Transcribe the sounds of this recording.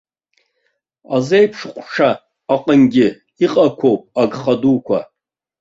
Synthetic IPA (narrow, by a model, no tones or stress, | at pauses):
azejpʰʂχʷʂʰaː | qʼənɡʲɪ | iqʼakʷʰo̞wpʼaɡχadukʷʰa